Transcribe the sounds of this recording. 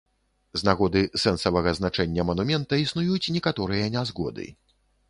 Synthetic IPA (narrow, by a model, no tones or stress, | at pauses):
znaɣɔd̪ɨsɛnsɐvɐɣɐznat͡ʂɛnʲːɐmɐnumʲɛnt̪ɐisnujut͡sʲnʲɛkat̪ɔɾɨjɐnʲazɣɔd̪ɨ̰